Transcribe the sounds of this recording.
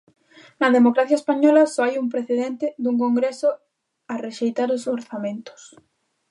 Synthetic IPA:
nɐðemokɾaθjaespaɲɔlasoajump̬ɾeθeðent̪ɪðuŋkoŋɡɾesʊ | areʃejt̪aɾosoɾθamẽnt̪ʊ̥s

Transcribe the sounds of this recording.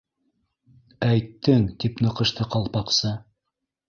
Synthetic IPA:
æjt̪ːɘŋd̪ipnɤ̆qɤ̆ʃt̪ɤqɑlˠpɑqsɤ

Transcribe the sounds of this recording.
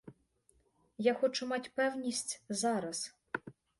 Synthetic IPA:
jaxɔt͡ʂʊmat͡sʲpɛwnʲisʲt͡sʲzaɾɐs

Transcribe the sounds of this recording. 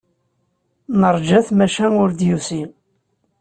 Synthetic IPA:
nəɾˤd͡ʒæθmæʃænʊɾd̪jusi

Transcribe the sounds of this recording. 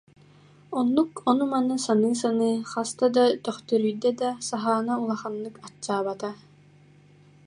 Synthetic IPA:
ɔnːukɔnumanɯsanɯːs̬anɯːχast̪ad̪at̪œχt̪œɾyjd̪ɛd̪asaɦaːnaulˠaχanːɯkat͡ɕːaːbat̪a

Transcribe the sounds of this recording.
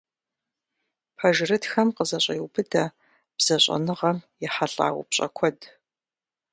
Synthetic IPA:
pʰɐʒrɨtxɐmqəzɐɕʼɐjwbɨdɐ | b̥z̥ɐɕʼɐ̰nɨʁɐmjɛħaɬʼa̰ːw̰pɕʼɐ̰kʷʰɔd

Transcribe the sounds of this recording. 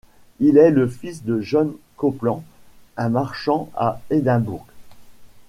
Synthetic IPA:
ilɛləfisd̪əʒɔn | kɔplɑ̃ɛ̃maʁʃɑ̃a̰ed̪ɛ̃buʁɡ

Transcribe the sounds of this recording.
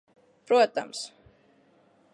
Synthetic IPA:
pɾuɔt̪a̰ms

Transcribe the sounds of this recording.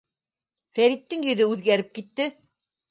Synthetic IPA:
fæɾit̪ːɘŋjɵ̆ðɵʉðɡæɾɘp̚kit̪ːɘ

